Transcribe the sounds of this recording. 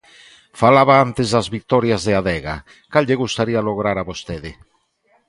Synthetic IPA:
falaβaant̪ezðazβik̚t̪ɔɾjazðeaðɛɣa̰ | kalʎeɣust̪aɾialoɣɾaɾaβost̪eðe

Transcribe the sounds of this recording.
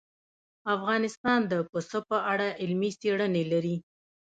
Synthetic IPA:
afɣɑnɪst̪ɑnd̪əpəsəpəʔaɽaʔɪlmiseɽənelaɾi

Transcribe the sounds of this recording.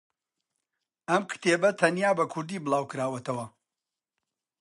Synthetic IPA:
ɐmkʰɨ̥t̪ʰeːbɐt̪ʰɐnjaːbɐkʰʊɾd̪iːbɨlˠaːwkɨɾaːwɐt̪ʰɐwɐ

